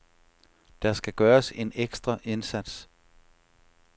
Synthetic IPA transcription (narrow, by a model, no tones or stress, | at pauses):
d̥ɑsɡ̥æɡ̥ɶːɐse̝neɡ̥sd̥ʁɐʔe̝nsæd̥s